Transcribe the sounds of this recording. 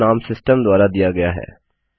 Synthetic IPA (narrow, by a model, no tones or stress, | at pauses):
aːmsɪsʈəmd̪waːɾad̪ijaɡɐjaɦɛ̰ː